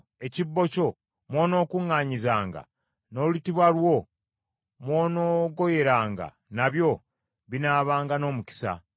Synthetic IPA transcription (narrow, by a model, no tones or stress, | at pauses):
e̞cibːo̞co̞ | mwo̞ːno̞ːkuŋːaːɲizaːŋɡa̰ | no̞ːulitiβwalwo̞ | mwo̞ːno̞ːɡo̞je̞ɾaːŋɡa̰ | naβjo̞ | βinaːβaːŋɡano̞ːmuci̥sa̰